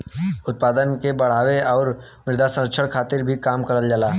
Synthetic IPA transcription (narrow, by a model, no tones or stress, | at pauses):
ʊt̪̚paːd̪ənkebəɽ̤aːʋeɔːɾ | mɪɾd̪asə̃əkʃʰəɽkʰaːt̪ɪɾbʱikaːmkəɾəld͡ʒalaː